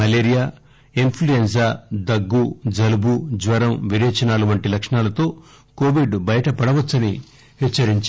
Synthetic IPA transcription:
ɐleːɾijaː | inpʰluens̬aːd̪ɐɡːud͡ʒɐlubud͡ʒʋɐɾɐmʋiɾɛːt͡ʃɐnaːluʋɐɳʈilɐkʂɐɳaːlɐt̪o̞ː | koːʋiɖbɐjɐʈɐpɐɽɐʋɐt͡sːɐni | het͡ʃːɐɾiɲt͡ʃ

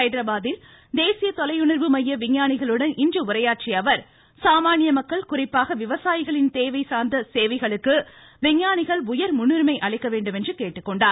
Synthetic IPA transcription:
ɐɪðɪɾɐbaːðɪl | d̪eːsɪjɐt̪ɔlɐjʊɳɐɾʋɯmɐjːɐʋɪɲːaːnɪɣɐɭɯɽɐnʔɪndrɯʊɾɐjaːʈ̚t͡ʃɪɐʋɐɾ | saːmaːɳɪjɐmɐkːɐɭkʊrɪpːaːɣɐʋɪʋɐsaːjɪɣɐɭɪnt̪eːʋɐɪsaːɾnd̪ɐseːʋɐɪɣɐɭɯkːɯ | ʋɪŋːaːnɪɣɐɭʊjɐɾmʊnːɯɾmɐɪʔɐɭɐɪkːɐʋeːɳɖɯmɛndrɯkeːʈːɯkːɔɳɖaːɾ

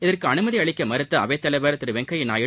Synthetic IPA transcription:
ɪðɐrkɯɐnɯmɐðiɐɭɪkʲːɐmɐɾɯt̪ːɐɐʋeːt̪ːɐlɐɪʋɐɾt̪ɪɾɯʋɛŋkɐjɪnaːjɪ

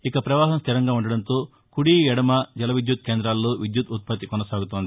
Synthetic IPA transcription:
ikɐpɾɐʋaːɦɐmst̪ʰiɾɐŋɡaːuɳɖɐɽɐnt̪oː | kuɽiːjɛɽɐmɐd͡ʒɐlɐʋid̪jut̪̚keːnd̪ɾaːlːoːʋid̪jut̪ut̪̚pɐt̪ːikɔnɐsaːɡut̪ond̪i

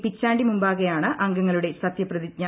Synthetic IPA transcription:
pit͡ɕːaːɳɖimumbaːɣɐjaːɳɨʔɐŋɡɐŋːɐɭuɽe̞sɐt̪jɐprɐðiɲa

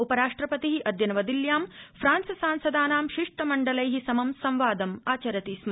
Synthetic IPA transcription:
upɐɾaːʂʈɾɐpɐt̪iɦiʔɐd̪jɐnɐʋɐd̪iljaːmpʰɾaːnsɐsaːnsɐd̪aːnaːmʃiʂʈɐmɐɳɖɐlɐjɦisɐmɐmsɐ̃mʋaːd̪ɐmaːt͡ʃɐɾɐt̪iːsm

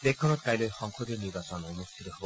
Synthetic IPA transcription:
bekkʰːɔnɔt̪̚kajlojxɔŋkʰod̪iniɾbasɔnonust̪ʰit̪ɔɦeb

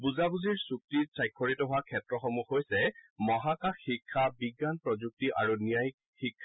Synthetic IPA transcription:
buzabuziɹsuk̚tisajkʰːɔɹitɔɦʊwakʰɛtɹɔxɔmuxojsɛmɔɦakaxːikʰːabiɡːanpɹɔzuk̚tiʔa̰ɹunijajk̚ | xikʰːa

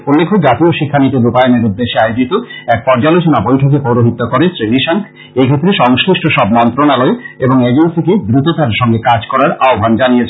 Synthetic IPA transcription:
olːekʰːod͡ʑat̪ioʃikʰːanit̪oɾupajoneɾud̪ːeʃeajod͡ʑit̪oɛk̚pɔɾd͡ʑalot͡ɕonabojʈʰok̬epowɾoɦit̪ːokoɾesɾiɾiʃaŋkʰ | ekʰet̪ːɾeʃɔŋskɾiʃʈʰoʃɔbmɔnt̪ɾonaloeeboŋed͡ʑensiked̪ɾut̪ot̪aɾʃɔŋɡekad͡ʑkɔɾaɾaobʱand͡ʑanijet͡ɕʰ

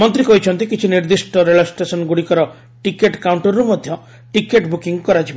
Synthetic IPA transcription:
mɔnt̪ɾikɔɦit͡ʃʰɔnt̪ikit͡ʃʰiniɾd̪isʈɔɾeɭɔsʈesɔnɡuɽikɔɾɔ | ʈikeʈkawɳʈɔɾːumɔd̪ʱjɔ | ʈikeʈbukiŋkɔɾat͡ʃʰib

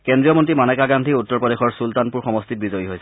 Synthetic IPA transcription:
kɛndɹijɔmɔntɹimanɛkaɡandʱiutːɔɹpɔdexɔɹsultanpuɹxɔmɔstit̚bizɔjiɦojsɛ̥

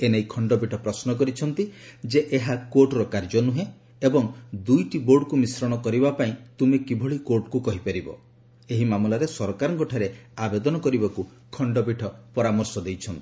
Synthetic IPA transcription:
enejkʰɔɳɖɔbiʈʰɔpɾɔsnɔk̬ɔɾit͡ʃʰɔnt̪id͡ʒeʔeɦakoɾʈɾɔkaɾd͡ʒɔnuɦẽ | ebɔŋd̪ujʈiboɾɖkumisɾɔɽ̃ɔkɔɾibapaĩt̪umekibʱɔɭikoɾʈkukɔɦipaɾibɔ̰ | eɦimamlaɾesɔɾɔkaɾɔŋkɔʈʰaɾeabed̪ɔnɔkɔɾibaku | kʰɔɳɖɔbiʈʰɔpɔɾamɔɾsɔd̪ejt͡ʃʰɔnt̪i̥

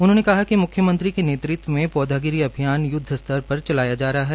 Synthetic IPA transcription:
ʊnɦõːnekɐɦakimʊkʰːjəmɐ̃nt̪ɾikeneːt̪ɾɪt̪wʋəmẽpɔːd̪ʱaːɡɪɾiɐbʱijaːnjʊd̪ʱːəst̪ɐɾpɐɾt͡ʃɐlaːjad͡ʒaːɾɐɦaɦɛː

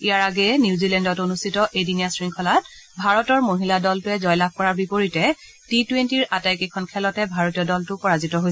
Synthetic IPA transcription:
ijaɹaɡɛniuzilɛndɔtonustʰitɔʔedinijasɹiŋkʰɔlat̚ | bʱaɹɔtɔɹmoɦiladɔltʊɛzɔjlab̚ʱkɔɹaɹbipoɹitɛ | titwentiɹatajkekʰɔnkʰɛlɔtɛbʱaɹotijɔdɔltʊpɔɹazitɔɦojɛ

